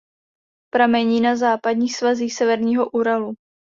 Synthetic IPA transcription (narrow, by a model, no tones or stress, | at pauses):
pɾamɛɲiːnazaːpadɲiːxsvaziːxsɛvɛɾɲiːɦoʔuɾalu